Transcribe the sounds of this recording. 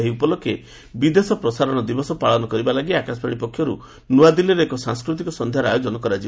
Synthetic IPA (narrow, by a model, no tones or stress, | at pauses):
eɦiupɔlɔkʰːe | bid̪esɔpɾɔsaɾɔɽ̃ɔd̪ibɔsɔpaɭɔnɔkɔɾibalaɡiakaspaɽ̃ipɔkʰːjɔɾu | nuad̪iliɾeekɔsãŋskɾut̪̬ikɔsɔnd̪ʱjaɾajod͡ʒɔnɔkɔɾad͡ʒi